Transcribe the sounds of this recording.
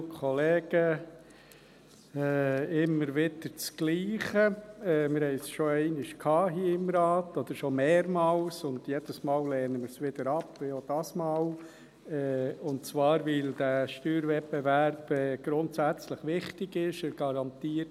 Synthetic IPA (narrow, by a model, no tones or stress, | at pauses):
kʰɔleːɡ̥ə | ɛɪmːəɾʋɪd̥əɾt͡sɡ̥liːχəɛmɪɾhɛɪsʃoɛɪnɪʃkʰhɑːɦiːɪmɾɑːt̪ɔd̪̥əɾʃomeːɾmɑːlsʊndjɛd̥əsmɑːlleːnəmɪɾsʋɪd̥əɾɑpʋɪjod̥ɑsmɑːl | ɛʊntt͡svʋɑːɾʋɪld̥̪æʃtyːɾʋɛpːɛʋæɾb̥ɛːɡ̥ɾʊntsæt͡sləχʋɪχtɪɡɪʃəɡ̥ɑɾɑnt̪iːət